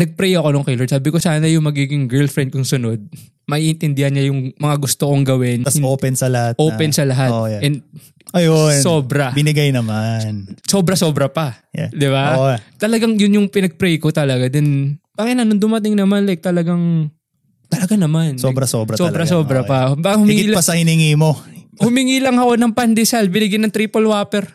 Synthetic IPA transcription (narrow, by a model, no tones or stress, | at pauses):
nɐɡ̚pɾɛjʔɐko̞noŋkɛlod̪saːbɪko̞saːnɐjʊŋmɐɡiːɡɪŋɡɛɹlfɾɛnd̪̚kʊŋsʊno̞d̪̚ | mɐʔiːʔɪnt̪ɪnd̪ɪhɐnɲɐjʊŋmɐŋaɡʊst̪okoŋɡɐwɪnɐsoːpɛnsɐlɐhat̪̚ʔoːpɛnsɐlɐɦat̪ʔɛnd̪ | ʔɐjonssoːbɾɐbɪnɪɡajnɐmanso̞ːbɾɐso̞ːbɾɐpɐd̪ɪbat̪ɐlɐɡaŋjʊnjʊŋpɪnɐɡ̚pɾɛjkot̪ɐlɐɡad̪ɛnb̥aːkɪt̪nɐnond̪ʊmɐt̪ɪŋnɐmanlɐk̚t̪ɐlɐɡaŋ | t̪ɐlɐɡanɐmansobɾɐsoːbɾɐsobɾɐssoːbɾɐpɐbaːkahʊmɪŋɪiːlpɐsɐhɪnɪŋiːmo̞hʊmɪŋiːlɐŋɐko̞nɐŋpand̪ɪsalbɪnɪɡajnɐŋt̪ɾiːpolwaːpɛɾ